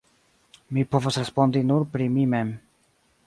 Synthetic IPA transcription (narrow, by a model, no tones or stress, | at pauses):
mipo̞vosɾespo̞ndinuɾpɾimime̞m